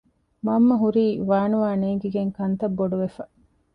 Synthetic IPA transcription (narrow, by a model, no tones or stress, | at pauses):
mɐmːɐɦuɾiːʋaːnuʋaːneːŋɡiɡeŋkɐnt̪ɐbːoɖuʋefɐ